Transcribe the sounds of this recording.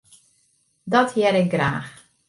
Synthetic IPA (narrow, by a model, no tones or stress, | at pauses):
dɔthiɛɾɪk̚ɡra̰ːx